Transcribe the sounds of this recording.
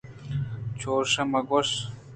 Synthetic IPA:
t͡ɕʰoːʂɐmɐɡoʂ

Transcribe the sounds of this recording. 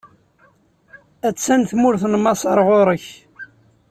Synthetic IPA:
æt͡sːænθmʊɾθnmɑsˤɑɾˤʁoɾˤəç

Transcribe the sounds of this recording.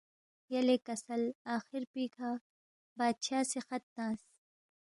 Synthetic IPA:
jɐlekɐsɐlaːxɪɾpiːkʰa | baːd̪ɕaːsexɐt̪ːãːs

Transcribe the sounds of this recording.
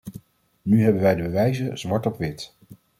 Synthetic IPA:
nyɦɛbənʋɛjdəbəʋɛjzəz̥mɑɹtɔpʋɪt

